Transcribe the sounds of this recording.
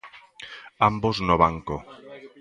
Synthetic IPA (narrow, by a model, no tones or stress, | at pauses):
amboznoβaŋko